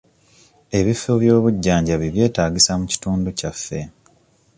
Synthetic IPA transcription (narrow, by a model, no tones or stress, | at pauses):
e̞βifːoβjo̞ːβuɟːaːɲɟaβiβje̞ːtaːɟisamuci̥tuːnducafːe̞